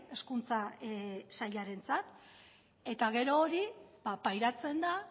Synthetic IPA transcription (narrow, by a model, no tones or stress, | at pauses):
e̞skunt͡sa | saʎaɾe̞nt͡sat̪ | e̞t̪aɣe̞ɾo̞ːɾibapajɾat͡se̞nd̪a